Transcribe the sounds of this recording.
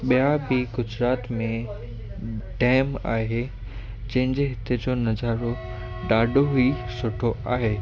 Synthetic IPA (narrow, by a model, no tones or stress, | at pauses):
ɓijabiɡʊd͡ʑɾaːt̪mẽ | ɖɛːma̰ːɦe | d͡ʑɐ̃ɦɪ̃ɲd͡ʑeɦɪt̪ed͡ʑoːnɐzaːɾo | ɖaːɖʱoɦuisʊʈʰoaːɦeː